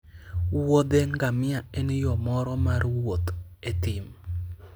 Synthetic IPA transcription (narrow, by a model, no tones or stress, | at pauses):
wod̪ɛŋɡamɪaenjɔmɔɾɔmarwot̪etɪm